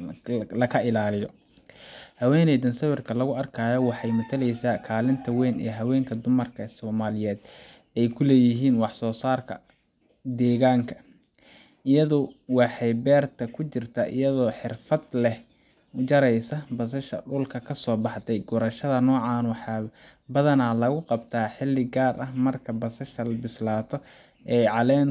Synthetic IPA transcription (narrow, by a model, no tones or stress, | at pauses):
lɐkʰɐʔɪlaːlɪjɔ | hɐwɛːnɛðɐnsɐwɪrkʰɐlɐɣʊɐrkʰaːjɔwɑħɑjmʊt̪ʰɐlɛjsaːkʰaːlɪnt̪ʰɐwɛːnɛ̰ːɦɐwɛːŋkʰɐd̪ʊmɐrkʰɐsɔːmaːlɪjɛːd̪ | ɛjkʰʊlɛːjɪɦiːnwɑħsɔːsaːrkʰɐ̰ | d̪ɛːɣaːŋkʰɐ̥ | ɪjɐðʊwɑħɑjbɛːrt̪ʰɐkʰʊt͡ʃɪrt̪ʰɐʔɪ̰jɐðɔːħɪrfɐd̪lɛh | d͡ʒɐɾɛjsɐbɐs̬ɐʃɐ̰ɖʊlkʰɐkʰɐsɔːbɑħt̪ʰɛjɡɔɾɐʃɐðɐnɔːʕɑːnwɑħɑː | bɐðɐnaːlɐɣʊqɑbt̪ʰaːħɪlːɪɡaːrʔɐhmɐrkʰɐbɐsɐʃɐlɐbɪslaːt̪ʰɔ | ʔɛjʕɑlɛːn